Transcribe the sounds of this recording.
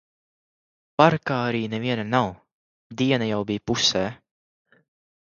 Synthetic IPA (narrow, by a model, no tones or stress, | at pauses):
paɾkaːaɾiːnɛviɛnanaw | d̪iɛnajawbijpusɛː